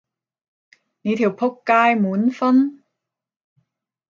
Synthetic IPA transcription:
ni˨˧t̪ʰiː˨˩wpʰo˥kːaː˥jmuː˨˥nfɐ˥n

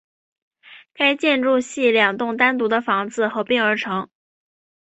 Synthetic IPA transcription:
ka˥ɪt͡ɕjɛ˥˧nʈ͡ʂu˥˧ɕi˥˩ljɑ˨˩ŋt̪ʊ˥˩ŋt̪a˥nt̪u˧˥d̪ə˧fɑ˧˥ŋd͡zɹ̩˧xɤ˧˥pi˥˩ŋə˞˧˥ʈ͡ʂʰɤ˧˥ŋ

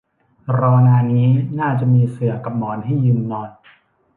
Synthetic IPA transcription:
ɾɔː˧naː˧niː˦˥naː˥˩t͡ɕa˨˩ʔmiː˧sɯ˨˩ɐka˨˧p̚mɔː˨˧˩nha˥˩jːɯː˧mnɔː˧n

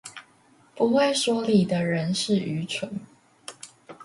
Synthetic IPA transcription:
pu˨˧˥xwe˥˩ɪʂwɔ˥li˨˩d̪ə˦ɻə˧˦˥nʂɻ̩˥˩y˧˥t͡sʰwə˧˥˦n

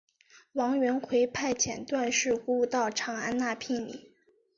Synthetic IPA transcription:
wɑ˧˥ŋɥɛ˧˥nkʰwe˧˥ɪpʰa˥˩ɪt͡ɕʰjɛ˨˩nt̪wa˥˧nʂɻ̩˥˩xu˧˥u˧t̪ɑ˥˩ʊʈ͡ʂʰɑ˧˥ŋa̰˥nna˥˧pʰi˥˩ŋnḭ˨˩˦

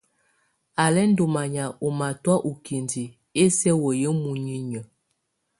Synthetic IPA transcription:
a˨lɛ˦n̩˦do˨ma˨ɲa˨o˨ma˨twa˦ʔu˨ki˨ndi˨ | e˦sɛ˦wə˨jə˦mu˨ɲi˦ɲə˨

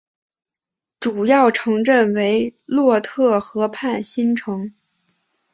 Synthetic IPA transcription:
ʈ͡ʂu˨˩jɑ˥˩ʊʈ͡ʂʰɤ˧˥ŋʈ͡ʂə˥˩nwe˧˥ɪlwɔ˥˧t̪ʰɤ˥˩xɤ˧˥pʰa˥˩nɕi˥nʈ͡ʂʰɤ˧˥ŋ

